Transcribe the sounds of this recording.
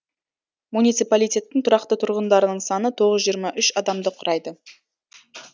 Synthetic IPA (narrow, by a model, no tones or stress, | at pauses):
munijt̪sɨjpalijt̪ʲe̞t̪ːɪŋt̪ʰʊɾɑqt̪ət̪ʰʊɾʁənd̪ɑɾənəɴsɑnət̪ʰo̞ʁəzʒijəɾmɑʔʏʃɑd̪ɑmd̪əqʰʊɾʔɑjd̪ə